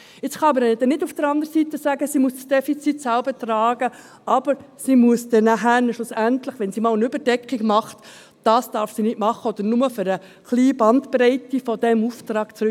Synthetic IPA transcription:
ɪt͡sχɑɑbəɾd̥ɛnɪdufd̥əɾɑnd̪əɾsitəsæːɡəsimuəssd̥ɛfit͡sitsælbətrɑːɡ̥ə | ɑb̥əɾsimuəsd̥ɛnæɦænʃlʊsænt̪ləχʋɛnsiːmɑːlənʏbəɾdɛkχiɡmɑχt | d̥ɑːsd̥ɑɾfsinɪtmɑχəɔd̥̪əɾnʊməføɾə | χliːbɑnt̪prɛɪtifɔd̥̪ɛmuft̪ɾɑːɡ̥t͡sɾ

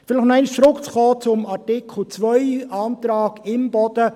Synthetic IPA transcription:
fɪlɪχnɛɪnʃt͡sɾʊkt͡sχɔːt͡sʊmɑɾtɪkʰl̩t͡svœʏɑːnt̪ɾɑːɡɪmbɔd̪̥ə

